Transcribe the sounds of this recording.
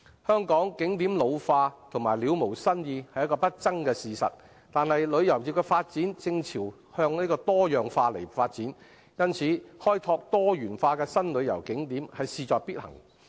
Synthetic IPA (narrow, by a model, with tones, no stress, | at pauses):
hœː˥ŋkɔː˨˥ŋkɪ˨˥ŋt̪iː˨˥mlo˨˧wfaː˧t̪ʰʊ˨˩maː˨˩jliː˨˧wmo˨˩wsɐ˥njiː˧hɐ˨jɐ˥kɔː˧pɐ˥t̚t͡sɐ˥ŋkɛː˧siː˨sɐ̰˨t̚ | t̪aː˨nhɐ˨jlɵ˨˧ɥjɐ˨˩wjiː˨p̚kɛː˧faː˧t̚t͡siː˨˥nt͡sɪ˧ŋt͡sʰiː˨˩w | hœː˧ŋniː˥kɔː˧t̪ɔː˥jœː˨ŋfaː˧le˨˩jfaː˧t̚t͡siː˨˥n | jɐ˥nt͡sʰiː˨˥hɔː˥jt̪ʰɔː˧k̚t̪ɔː˥jyː˨˩nfaː˧kɛː˧sɐ˥nlɵ˨˧ɥjɐ̰˨˩wkɪ˨˥ŋt̪i˨˥mhɐ˨jsiː˨˧t͡sɔː˨˧k̚pi˥t̚hɐ̰˨˩ŋ